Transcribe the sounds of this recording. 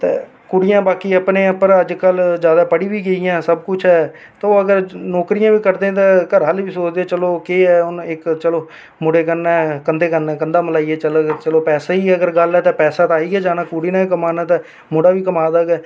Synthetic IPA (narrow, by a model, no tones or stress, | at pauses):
t̪ḛː | kʊɽɪjãːbaːkiːəpnẽːəpəɾəd͡ʒkəlzjaːd̪aːpəɽiːʋiːɡeijãːsəb̚kʊt͡ʃʰɦɛː | t̪aːoːəɡəɾnɔːkɾɪjãːʋiːkəɾd̪ẽːt̪ãːkəɾɦəlʋiːsoːt͡ʃd̪eɛːt͡ʃəloːkeːɛːʊnɪkt͡ʃəloː | mʊɽeːkənɛːkənd̪eːkənɛ̃ːkənd̪aːməlaːiːɛːt͡ʃəlt͡ʃəloːpɛːsaːiːɛːəɡəɾɡəlɛːt̪ẽːpɛːsaːt̪aːiːɛːd͡ʒaːnaːkʊɽiːnãːk̬əmaːnaːt̪ẽː | mʊɽaːʋiːkəmaːd̪aːɡɛː